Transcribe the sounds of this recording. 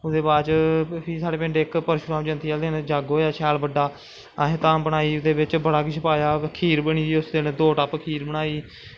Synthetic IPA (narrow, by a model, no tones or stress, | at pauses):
ʊd̪eːbaːɾt͡ʃpʰiːsaːɽeːpɛ̃ːɳɖeːkpəɾʃʊɾãːmd͡ʒə̃nt̪iːaːld̪eːnd͡ʒaːɡoːjaːt͡ʃʰɛːlbəɖaː | ɦẽt̪ãːbəɽaːiːʊd̪eːbɪt͡ʃbəɽaːkisʰəpaːjaːkʰiːɾbəɳ̃iːiːʊsd̪end̪oːʈapkʰiːɾbəɽaːiː